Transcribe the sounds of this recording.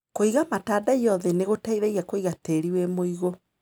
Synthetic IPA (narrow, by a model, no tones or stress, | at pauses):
koiɣamatadaiɔðɛneɣotaiɾeɣiakoiɣateɾiwemoiɣo